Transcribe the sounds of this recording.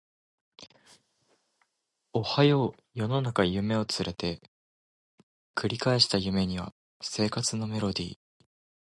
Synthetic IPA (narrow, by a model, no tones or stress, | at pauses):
o̞hajo̞ | jo̞no̞nakajɯ̟me̞o̞t͡sɨɾe̞t̪e̞ | kʰɯ̟ɾʲikaeɕi̥t̪ajɯ̟me̞ɲ̟iβ̞a̰ | se̞ːkat͡sɨno̞me̞ɾo̞d̪ʲḭː